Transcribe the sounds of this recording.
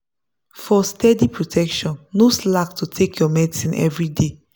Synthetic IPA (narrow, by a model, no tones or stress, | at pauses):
fɔstʰɛdipɹotʰɛkʃɔ̃nːoslak̚tʰutʰekʰjɔmɛdisĩnʔɛ̰vɹide